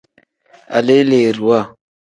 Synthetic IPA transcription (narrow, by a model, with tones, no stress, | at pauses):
a̰˨le˦le˨ɾu˨a˦˨